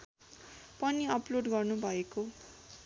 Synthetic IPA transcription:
pʌniʌploɖɡʌrnubʱʌeko

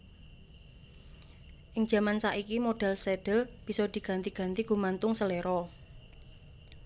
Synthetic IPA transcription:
ʔɪŋ̥ʒ̥ä̤mansaʔikimoɖ̥ɛ̤lseɖ̥ə̤lb̥i̤sɔd̪̥i̤ɡ̥ä̤nt̪i̤ɡ̥a̤nt̪iɡ̥ṳmant̪ʊŋsəleɾɔ

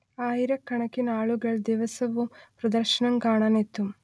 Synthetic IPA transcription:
aːjiɾɐkːɐɳɐkːinaːɭuɡɐɭd̪iʋɐsɐʋupɾɐd̪ɐɾʃɐɳɐmɡaːɳɐnet̪ːum

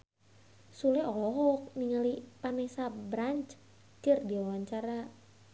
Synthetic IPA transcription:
sulɛɔlɔɦɔk̚niŋalipanɛsabɾaɲt͡ʃ | kərdiwawaɲt͡ʃaɾa

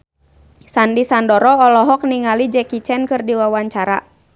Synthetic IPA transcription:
sandisandɔɾɔɔlɔɦɔk̚niŋalid͡ʒɛkit͡ʃɛnkɨrdiwawaɲt͡ʃaɾa̰

